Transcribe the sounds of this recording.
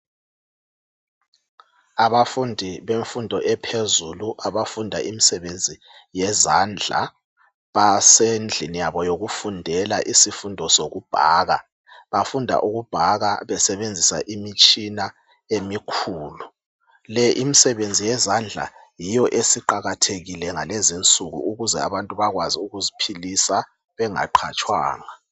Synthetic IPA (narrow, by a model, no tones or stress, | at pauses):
aβafundʱiβeɱfundʱɔʔɛpʰezuluʔaβafundʱa̰ʔimisɛβend͡zʱi | jɛzaːnd͡ɮʱa̰ | βasend͡ɮʱinijaβɔjoɣufundʱɛlaʔisifundʱɔsoɣub̥ʱa̰ːɣa̰ | βafundʱa̰ʔuɣub̥ʱaɣaβɛsɛβend͡zʱisa̰ʔimit͡ʃʼina | emikʰuːlu | lɛʔimisɛβend͡zʱijɛzand͡ɮʱa̰ | jijɔʔesiǃaɣatʰeɣilɛŋalezint͡sʼuɣṵuɣuzɛ̰a̰βantʼuβaɣwaziuɣuzipʰilisa | βɛŋa̰ǃʰat͡ʃʼwa̰ːŋa